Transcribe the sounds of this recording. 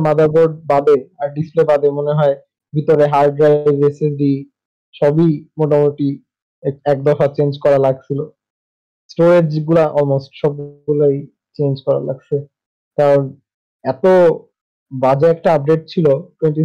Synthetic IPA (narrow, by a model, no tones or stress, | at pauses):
mad̪ʱaboɖ̚bad̪eaɾɖisplebad̪emoneɦɔe | bʱit̪oɾeɦaɾɖɾajbesed̪i | ʃɔbimoʈamuʈi | ɛk̚d̪ɔfat͡ɕend͡ʑkɔɾalaɡ̚t͡ɕʰilo | sʈoɾeɾd͡ʑɡulaʔɔlmosʈʃɔb̚ulaj | t͡ɕend͡ʑkɔɾa̰la̰ɡt͡ɕʰe | t̪aɾon | ɛt̪o | bad͡ʑaɛk̚ʈaap̚ɖeʈ̚t͡ɕʰiloʈwenɳʈi